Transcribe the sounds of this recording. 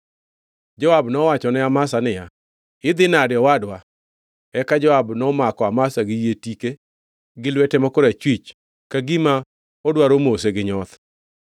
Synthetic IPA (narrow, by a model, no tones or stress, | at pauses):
d͡ʒɔwabnɔwat͡ʃɔnɛamasanɪja | ɪd̪ɪnadjɔwadwa | ɛkad͡ʒɔabnɔmakɔamasaɡɪjetike | ɡɪlwetemɔkʊɾet͡ʃwit͡ʃ | kaɡima | odwaɾomos̬eɡɪɲɔt̪